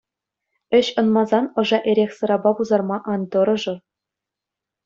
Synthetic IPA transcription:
ɘ̆ɕɤ̆nmɑzɑnɤ̆ʐɑʔeɾʲexʲsɤ̆ɾɑbɑbuzɑrmɑʔɑnt̪ɤ̆ɾɤ̆ʐɤ̆

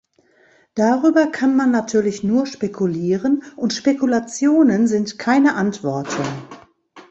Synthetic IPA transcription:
d̥aʁyːbɐkʰanmanːatʰyːɐlɪçnuːɐʃpekʰuliːʁənʔʊntʃpekulat͡sjoːnənzɪntkʰaɪnəʔantv̥ɔɐtʰn

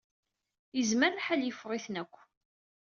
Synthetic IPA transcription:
jəzməɾħæljəfɾˤɪθnækʷː

